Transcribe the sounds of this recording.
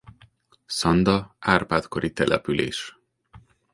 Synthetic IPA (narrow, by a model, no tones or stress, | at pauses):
sɒnd̪ɒaːrpaːt̪ko̞ɾʔit̪ɛlʔɛpylḛːʃ